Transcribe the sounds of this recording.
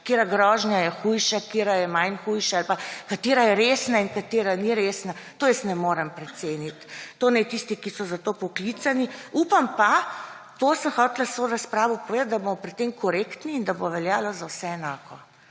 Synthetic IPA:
keɾaɡɾɔːʒnjajɛxujʃakeːɾajɛmajnxujʃaalpakat̪eːɾajɛɾeːsnainkat̪eːɾaniɾeːsnat̪oːjɛsnɛmoːɾɛmpɾɛt̪seːnit̪ːoːnɛt̪ist̪ikisɔzat̪opɔklit̪saniupampa | t̪osəmxɔːt̪lasʋoɾaspɾaːʋɔpɔʋeːd̪at̪̚d̪abomɔpɾit̪ːemkɔɾekt̪niːnd̪aboʋɛljaːlɔzawsɛɛnaːkʰɔ

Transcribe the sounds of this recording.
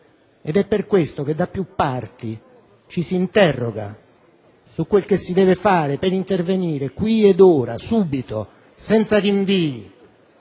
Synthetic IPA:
ed̪ɛpːerkwest̪ok̟ed̪ːapːjupːart̪i | t͡ʃisiːnt̪ɛrːoɡa̰ | sukːwelkesːid̪ɛːvefaːɾepeɾint̪erveniːɾekwied̪oːɾa̰suːbit̪o | sɛnt̪sadiɱviːi

